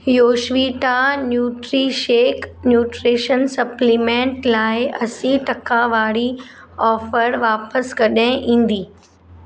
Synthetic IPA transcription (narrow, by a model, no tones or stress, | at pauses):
joːʃʋiːʈanjuːʈɾiʃeːknjuːʈɾeːʃənsɐplimẽːɳʈlaːɪʔɐsĩʈɐkʰãʋaːɽi | ɔːfəɾʋaːpəskɐɗɪ̃ʔĩːn̆d̪iː